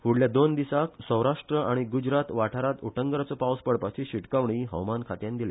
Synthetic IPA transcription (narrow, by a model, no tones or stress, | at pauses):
huɽljad̪ond̪isaksə̃wɾaʂʈɾəʔaɽ̃iɡud͡ʑɾat̪ʋaʈʰaɾat̪uʈʰəŋɡəɾat͡sɔpawspəɽpat͡ɕiɕiʈkaʋɳiɦə̰wmankʰat̪jãnd̪ile